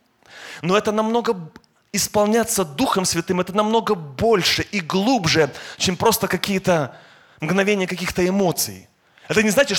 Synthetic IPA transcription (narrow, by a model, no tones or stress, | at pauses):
noɛt̪ənɐmno̞ɡə | ɪspɐlˠnʲat̪sːəd̪uxəmsvʲɪt̪ɨmɛt̪ənɐmno̞ɡəbo̞lʲʂɨʔiɡlˠubʐɨt͡ɕempɾo̞st̪əkɐkʲijət̪ə | mɡnɐvʲenʲɪjəkɐkʲixt̪əɪmo̞t̪sɨ̰j | ɛt̪ənʲɪznat͡ɕʲɪt̪ʂ